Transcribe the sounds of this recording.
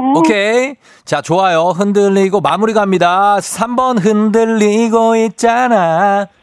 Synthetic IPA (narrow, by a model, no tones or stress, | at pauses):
okʰe | t͡ɕat͡ɕoajoɦɯndɯʎːiɡomamuɾiɡaɦamɲidasʰambʌnɦɯndɯɭːiɡoit̚t͡ɕ͈ana